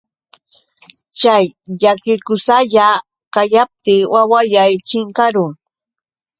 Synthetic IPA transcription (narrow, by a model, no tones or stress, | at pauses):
t͡ʃajʎakɪkʊsaʎa | kajap̚t̪iːwawajajt͡ʃɪŋkaɾʊŋ